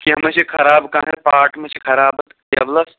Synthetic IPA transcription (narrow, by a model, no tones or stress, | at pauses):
kiɦɐmɐt͡ʃʰekʰɐɾaːbkãːnepaːʈmɐt͡ʃʰikʰɐɾaːbɐt̪ | jɐ̰blɐs